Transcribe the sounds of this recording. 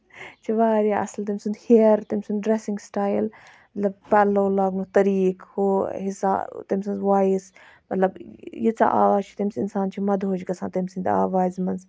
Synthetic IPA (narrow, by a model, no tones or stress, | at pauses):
t͡ʃʰiʋaːɾiaʔɐ̰slt̪ɐmʲsund̪hiəɾt̪ɐmʲsund̪ɖɾesiŋɡsʈaːjl | mɐt̪lɐb̚pɛloːlaːɡmut̪ɐɾiːkhoɦisa̰t̪ɐmʲsɐnzʋaːis | mɐt̪lɐbjit͡sa̰ʔa̰ːʋaːzt͡ʃʰi̥t̪ɐmʲsinsaːnt͡ʃʰimɐd̪ɦoːd͡ʒɡɐsãːt̪ɐmʲsind̪a̰ːʋaːzmɐn